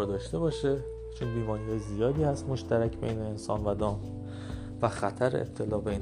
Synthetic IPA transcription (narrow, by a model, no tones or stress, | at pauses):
ɾd̪ɒːʃt̪e̞bɒːʃe | t͡ʃʰonbiːmɒːnijɒːjzijɒːd̪iːhæst̪mo̞ʃt̪æɾæcʰbḛjne̞ːnsɒ̰ːnvæd̪ɒːm | væxæt̪ʰæɾḛḛp̚t̪ʰe̞lɒːbein